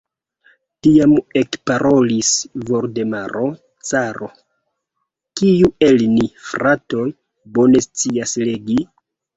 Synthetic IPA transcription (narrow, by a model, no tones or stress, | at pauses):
tiame̞kpaɾʔolisvo̞ɾde̞maɾo̞ | t͡saɾo̞ | kijue̞lnifɾato̞j | bo̞ne̞st͡siasleɡi